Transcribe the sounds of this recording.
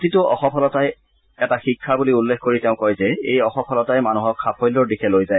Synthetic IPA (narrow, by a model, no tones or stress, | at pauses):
titʊʔɔ̰xɔpʰɔlɔtaj | ɛtaxikʰːabuliulːexʰkoɹiteʊ̃kojzɛejɔxɔpʰɔlɔtajmanuɦɔkʰːapʰɔjlɔɹdikʰɛlojzaj